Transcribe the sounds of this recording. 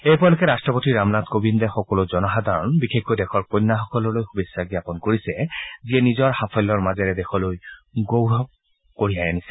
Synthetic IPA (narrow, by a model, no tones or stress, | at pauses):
ejpɔalokɛɹastɹɔpotiɹamnatkobindɛxɔkɔlozɔnɔɦad̪ʱaɹɔnbixekːojdɛxʰɔɹkojnːaxɔkɔlɔlojxubisaɡiapɔnkoɹisɛziɛnizɔɹxapʰɔlːɔɹmazɛɹɛdɛxɔlojɡowɦɔk̚ | koɹijajanisɛ̥